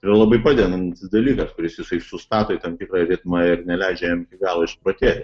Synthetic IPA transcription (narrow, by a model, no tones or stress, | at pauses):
irɐlˠɐbɐɪpɑːd̪ʲenɐnt̪ʲsd̪ɐlʲiːkɐskʊɾʲɪsjɪsɐɪsʊst̪ɑːt̪oːɪt̪ɐmt̪ʲɪkɾɑɾʲɪt̪mɐɪrnʲɛlʲæɪd͡ʒʲɛjɛmkʲɪɡɑːlˠoːɪʃpɾoːt̪ʲeːt̪ʲ